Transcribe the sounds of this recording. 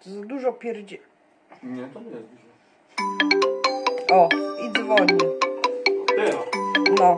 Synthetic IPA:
zad̪uʐɔpʲjɛɾd͡ʑɛ | ɲɛɛ | ɔid̪vɔɲi | nɔ

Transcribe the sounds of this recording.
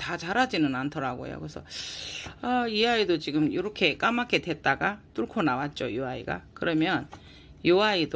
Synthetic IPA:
tat͡ɕaɾad͡ʑinɯnantʰʌɾaɡo̰jo̰kɯesʰʌ̰ | aiaidot͡ɕiɡɯmjoɾʌkʰe̞k͈amak͈e̞dwe̞t̚t͈aɡat͈uɭkʰonawat̚t͡ɕ͈ojuaḭɡa̰kɯɾʌmjʌn | joaid

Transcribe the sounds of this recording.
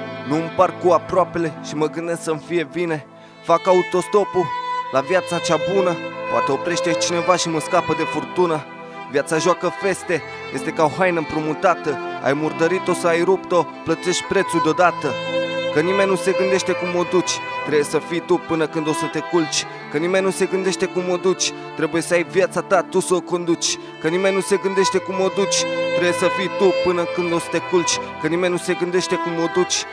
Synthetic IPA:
nuɨmparkuapɾoape̞le̞ʃiməɡɨnd̪e̞sksəmfije̞vine̞ | fakaut̪o̞st̪o̞pulavjat̪sat͡ʃabunəpo̰a̰t̪e̞o̞pɾe̞ʃt̪e̞t͡ʃine̞vaʃiməskapəd̪e̞furt̪unə | vjat̪saʒoakəfe̞st̪e̞ | je̞st̪e̞kaoɦajnəɨmpɾumut̪at̪əa̰jmurd̪əɾit̪o̞səajɾupt̪o̞plət̪e̞ʃt̪̚ʲpɾe̞t̪sud̪eo̞d̪at̪əkənime̞nʲnuse̞ɡɨnd̪e̞ʃt̪ekumo̞d̪ut͡ʃʲt̪ɾejesəfijt̪upɨnəkɨnd̪o̞sət̪e̞kult͡ʃʲ | kənimenʲnuse̞ɡɨnd̪e̞ʃt̪e̞kumo̞d̪ut͡ʃʲ | t̪ɾe̞buje̞səajvjat̪sat̪at̪usəoko̞nd̪ut͡ʃʲ | kənime̞nʲnuse̞ɡɨnd̪e̞ʃt̪e̞kumo̞d̪ut͡ʃʲt̪ɾe̞bjesəfijt̪upɨnəkɨnd̪o̞sə̥t̪e̞kult͡ʃʲkənimenʲnuse̞ɡɨnd̪e̞ʃt̪e̞kumod̪ut͡ʃʲ

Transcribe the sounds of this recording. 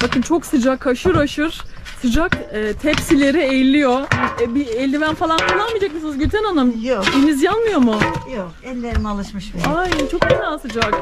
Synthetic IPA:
b̥akɯnt͡ʃʰo̞ksɯd͡ʒakʰːaʃɯɾaʃɯɾ̥ | sɯd͡ʒakːt̪ʰɛpsilʲe̞ɾiɛjlʲːijo̞ɛbiɛlʲd̪ʲivænfalˠank̪anlˠanmɯːd͡ʒak̚mɯsɯzɟøt̪ʰɛnanamjod̪enizjanmɯjo̞mujo | ɛlʲːeɾinalˠɯʃmɯʃbajant͡ʃʰo̞kanaːsɯd͡ʒak

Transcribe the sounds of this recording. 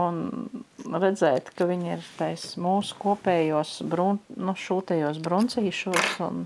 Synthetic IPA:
un | ɾɛd̪zɛːjt̪kaʋʲiɲiɾt̪ajsmuːsu̥kuɔpʲɛːjuɔsbɾunuʃuːt̪ɛjuɔs̬bɾunt̪siːʃuɔsṵn

